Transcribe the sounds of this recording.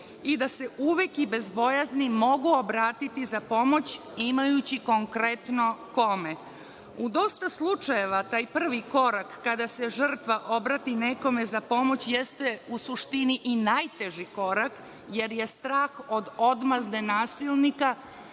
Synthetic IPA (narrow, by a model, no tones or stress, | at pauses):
id̪ase̞uʋe̞kibe̞zbo̞jaznimo̞ɡuobɾaːt̪it̪izapo̞mo̞t͡ɕ | imajut͡ɕiko̞ŋkɾe̞t̪no̞ko̞me | ud̪o̞st̪aslˠut͡ʃaje̞ʋat̪aːjpr̩ʋiko̞ɾakːad̪ase̞ʒər̩t̪ʋaʔo̞bɾat̪ineko̞me̞zapo̞mo̞t͡ɕjest̪e̞usuʂt̪iniʔinaːjt̪eʒiko̞ɾak | je̞ɾje̞st̪ɾaːxo̞d̪od̪mazd̪enaːsilnika